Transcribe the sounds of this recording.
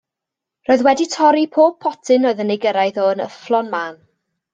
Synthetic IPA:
roːɨðwɛditʰɔɾipʰoːb̚pʰːɔtʰɪnoːɨðəneɡəɾajθɔənə̰flˠɔnmaːn

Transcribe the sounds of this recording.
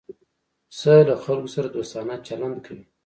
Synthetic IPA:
səlaxalkosaɾad̪ost̪ɑnat͡ʃaland̪kʰawi

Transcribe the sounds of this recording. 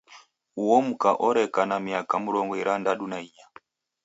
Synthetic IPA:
uwɔm̩kaʔɔɾɛkanamiakamuɾɔŋɡɔiɾandaɗunaija

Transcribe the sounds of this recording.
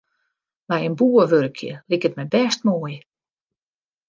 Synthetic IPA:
bɛjənbuːəʋøɾkʰjə̰likətmɛjbɛst̚moːj

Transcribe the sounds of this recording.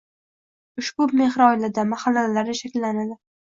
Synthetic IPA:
ʊʃbʊme̞hɾɒjlɪd̪amaχalːalaɾɪʃakʲlːanad̪ɪ

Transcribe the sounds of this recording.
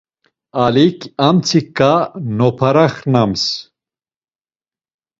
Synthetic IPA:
alikʰamt͡sʰikːanɔpʰaɾaχnams

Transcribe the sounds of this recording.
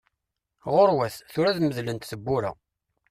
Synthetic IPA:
ʁʊɾwæθθʊɾæðməðlənt̪θəbːuɾæ̰

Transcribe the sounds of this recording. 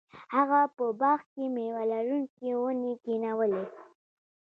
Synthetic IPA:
haɣapəbɑxkemewalaɾuŋkewənekinawəle

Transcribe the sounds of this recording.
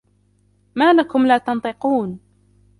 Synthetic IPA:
maːlakʊmlaːt̪ɑnt̪ˤɨquːn

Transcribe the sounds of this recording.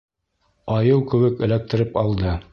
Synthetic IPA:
ɑjɤwkɵ̆wɘkɘ̆læk̚t̪ɘ̆ɾɘpɑlˠd̪ɤ

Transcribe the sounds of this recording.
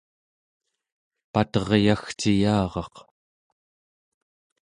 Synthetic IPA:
pat̪ʌʁjaxt͡ʃijɑːʁɑq

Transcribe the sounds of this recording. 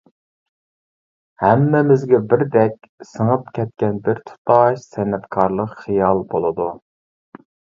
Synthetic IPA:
hɛmːɪmɪzɡʲɛbɪɾd̪ɛkʲ | səŋəpkʲʰɛt̪̚kʲɛnbɪɾt̪ʰu̥t̪ʰɑʃsɛnːɛt̪kʰɑɾlˠəqχijɑlˠbolˠɨd̪u

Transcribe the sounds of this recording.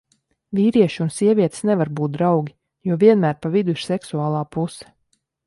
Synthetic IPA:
viːɾiɛʃiunsiɛvʲiɛt̪snɛvaɾbuːt̪̚d̪ɾawɡʲi | juɔviɛnmæːɾpavid̪uiɾ̥sɛksuaːlˠaːpusɛ̥

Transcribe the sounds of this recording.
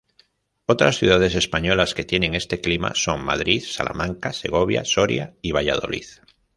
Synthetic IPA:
ot̪ɾasθjuð̞að̞e̞se̞spaɲo̞laske̞t̪je̞nẽ̞ŋe̞st̪e̞klima̰so̞ŋma̰ðɾiθsa̰la̰mãŋkase̞ɣ̞oβ̞ja̰so̞ɾja̰iβ̞ajað̞o̞̰lḭθ

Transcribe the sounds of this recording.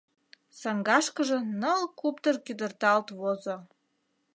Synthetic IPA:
sɑŋɡɑʃkəʒə̆nəlkupt̪ərkyd̪ə̆rt̪ɑlt̪vozo

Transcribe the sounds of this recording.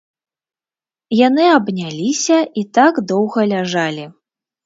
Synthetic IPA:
janɨɐbnʲalʲisʲɐit̪aɡd̪ɔwɣɐlʲaʐalʲi

